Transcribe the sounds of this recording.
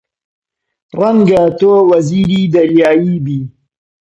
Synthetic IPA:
ɾɐŋɡat̪owɐziːɾid̪ɐɾjaːjiːbi

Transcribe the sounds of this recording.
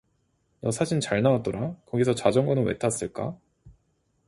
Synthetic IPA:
nʌsʰaɕʰint͡ɕaɭnawat̚t͈ʌɾakʌɡisʰʌt͡ɕad͡ʑʌŋɡʌnɯnwḛtʰas͈ɯɭk͈a̰

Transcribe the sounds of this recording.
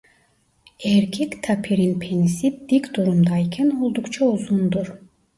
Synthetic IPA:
ɛɾcʲʰɛkt̪ʰapʰiɾinpʰenisip̚d̪̥ikʲd̪uɾumd̪aikʲʰɛno̞lˠd̪ukt͡ʃʰauzund̪uɾ

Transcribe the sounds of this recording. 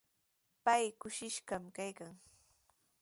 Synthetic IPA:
pajkʊʃɪʃɢamkajkaŋ

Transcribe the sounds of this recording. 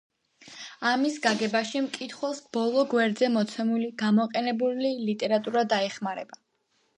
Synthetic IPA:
amisɡaɡɛbaʃimkʼit̪ʰχwɛlˠsb̥ɔlˠɔɡwɛɾd̪zɛmɔt̪sʰɛmuliɡ̥amɔqʼɛnɛbulilit̪ʼɛɾat̪ʼuɾad̪aɛχmaɾɛba

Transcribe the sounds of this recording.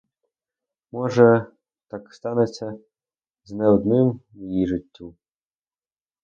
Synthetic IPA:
mɔʐɐ | t̪akst̪anet͡sʲːɐ | znɛwd̪nɪmjiʐɨtʲːu

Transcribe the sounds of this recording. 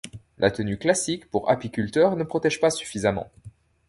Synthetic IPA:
lʔa̰t̪ənyklasikpuʁa̰pikʲylt̪œʁnəpχɔt̪ɛʒpasy̥fizamɑ̰̃

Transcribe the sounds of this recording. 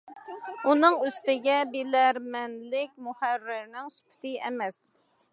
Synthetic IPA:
unɨŋyst̪ɪɡʲɛbelæɾmɛnlɪkʲmuhærːɪɾnɪŋsy̥pʰy̥t̪ʰɪɛmɛs

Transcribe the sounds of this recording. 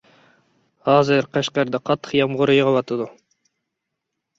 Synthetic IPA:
hɑːzɨɾqʰæʃqɑɾd̪ɑqʰɑt̪ʰːə̥qjɑmʁʊɾɨjəʁɑwɑt̪ʰɨd̪u

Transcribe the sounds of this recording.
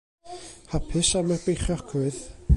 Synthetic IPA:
hapʰɨsamarbejχjɔkʰʊɨð

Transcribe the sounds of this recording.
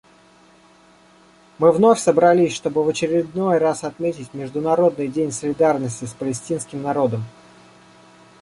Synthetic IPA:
mɨvno̞fʲsəbɾɐlʲisʲʂt̪o̞bɨvət͡ɕɪɾʲɪd̪no̞jrasɐt̪mʲetʲɪtʲmʲɪʐd̪ʊnɐɾo̞d̪̚nɨjdʲenʲsəlʲɪd̪arnəsʲtʲɪspəlʲɪsʲtʲinskʲɪmnɐɾo̞d̪əm

